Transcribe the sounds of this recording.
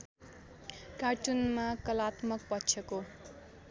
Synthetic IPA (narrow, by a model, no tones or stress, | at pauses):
karʈunmakʌlat̪mʌk̚pʌtːt͡sʰjʌko